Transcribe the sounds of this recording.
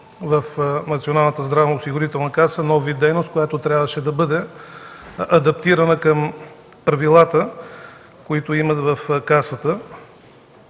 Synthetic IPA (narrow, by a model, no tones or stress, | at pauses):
vəfnɐt̪sionalˠnət̪əzd̪ɾavnoːsiɡʊɾit̪ɛlˠnəkasənɔvvid̪ɛjnost̪kojat̪ot̪ɾʲjabvəʃɛd̪ɐbɤd̪ɛ | ɐd̪ɐp̚t̪iɾɐnəkəm | pɾɐvilˠat̪ə | koit̪oimɐt̪vɐfkasət̪ə